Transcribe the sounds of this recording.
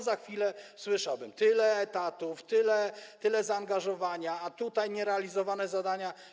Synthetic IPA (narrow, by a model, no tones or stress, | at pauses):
zaxfʲilɛswɘʂawbɘmt̪ɘlɛːt̪at̪uft̪ɘlɛt̪ɘlɛzaːŋɡaʐɔvaɲaːt̪ut̪ajɲɛɾɛalʲizɔvanɛzad̪aɲa